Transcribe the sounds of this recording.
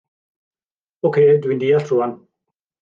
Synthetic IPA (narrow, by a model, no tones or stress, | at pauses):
okʰeːdwuind̪iːaɬʰruːan